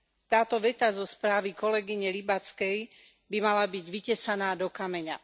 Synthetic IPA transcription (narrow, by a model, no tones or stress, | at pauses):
t̪aːt̪ɔʋɛt̪azɔspɾaːʋikɔlɛɡiɲɛlibat͡skɛj | bimalabiɟʋicɛsanaːd̪ɔkamɛɲa̰